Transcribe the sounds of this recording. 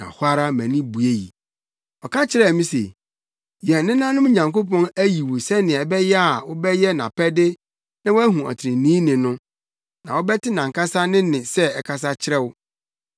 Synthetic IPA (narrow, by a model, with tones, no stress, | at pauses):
nã̰˨hʊ˦a˦ɾa˦mæ̃˨nĩ˦bu˨e˦jḭ˨ | ɔ˨kʰa˦t͡ɕʰɪ˦ɾɛ˦˨mĩ˦sḛ˨ | jɛ̃˨nnɪ̃˦nã˦nʊ̃˦m˦ɲã˨ŋko˦pɔ̃˦næ˦ji˨wʊ˨sɛ˦nɪ̃˨ɛ˨bɛ˦jɛ˦a˨wʊ˦bɛ˦jɛ˦nã˨pʰɛ˦dɪ˦ | nã˦wʊ˦æ˦ɦũ˨a̰˨tʰɪ̃˨nĩː˦nɪ̃˨nʊ̃˦ | nã˨wɔ˦bɛ˦tɪ˦nã˨ŋ˨ka˦sa˦nɪ̃˦nɪ̃˨sɛ˦ɛ˨kʰa˨s̬a˦t͡ɕʰɪ˦ɾɛ˦wʊ˦